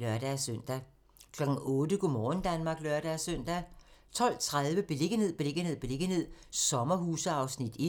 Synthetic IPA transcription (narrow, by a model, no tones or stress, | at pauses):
lɶɐd̥æsøn̰d̥æ | kʰlɒɡ̥ŋ̩ɔ̽ːd̥əɡ̥umɒːn̩d̥ænmɑ̈ːɡ̥lœɐɾ̥æsøn̰d̥æt͡sʰɒ̽l̰t͡sʰʁaðˠʋəb̥e̝le̝ɡ̥əne̝ð̰ˠb̥e̝leɡ̥əne̝ð̰ˠb̥e̝le̝ɡ̥əne̝ð̰ˠsɒ̽mɐhuːsəɑ̈ʊsnid̥i